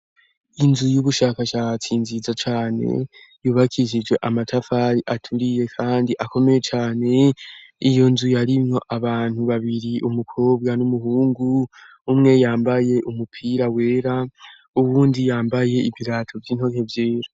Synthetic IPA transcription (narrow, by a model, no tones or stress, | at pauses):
inzujuβuʃaːkaʃaːt͡sinzizat͡ʃaːne̞̰ | juːβakʰiʒid͡ʒwe̞ʔamatʰafaɾiʔatʰuɾije̞kʰaːndiʔako̞me̞je̞t͡ʃaːne̞ijo̞nzujaɾimŋo̞ʔaβaːn̥huβaβiɾiʔumukʰo̞ːb̚ɡanumuɦuːŋɡu | umŋe̞jaːmbaje̞ʔumupʰiːɾawe̞ːɾa | uwuːndijaːmbaje̞iviɾaːtʰovjiːn̥ho̞ke̞vje̞ːɾa